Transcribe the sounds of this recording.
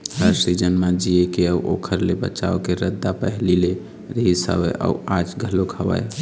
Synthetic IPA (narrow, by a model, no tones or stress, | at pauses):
ɾəsɾid͡ʒənmãd͡ʒiekeəuʔo̰kʰəɾlebə̰t͡ʃaokeɾəd̪ːapəɦlile | ɾəɦisə̰bə̰ʔə̰ad͡ʒɡʱəlokʰəʋə̰j